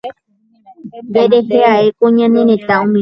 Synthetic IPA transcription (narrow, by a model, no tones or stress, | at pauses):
deɾeɦeaekoɲãnẽɾẽt̪aũmĩ